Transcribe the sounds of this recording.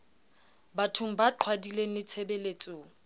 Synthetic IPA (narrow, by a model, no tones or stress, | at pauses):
batʰum̩baǃʰwadilenɪt͡sʰɛbeleːt͡sʼʊːŋ̩